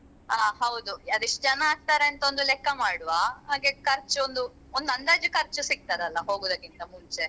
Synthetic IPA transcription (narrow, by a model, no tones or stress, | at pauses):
aːɦɐwd̪uɐd̪iʂʈɐd͡ʒɐnːaaːɡ̚t̪aːɾeɐnt̪ɐond̪ulɛkːɐmaːɽuʋaːɦaːɡekɐɾt͡ʃuond̪u | ond̪ɐnd̪aːd͡ʒukɐɾt͡ʃusik̚t̪aːd̪ɐlːɐɦo̞ːɡoːd̪ɐkːint̪ɐmuɲt͡ʃe̞